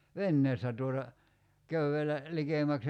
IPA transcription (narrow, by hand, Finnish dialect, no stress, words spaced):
ʋenːeːstæ tuotɑ køyelæ likeˑmæks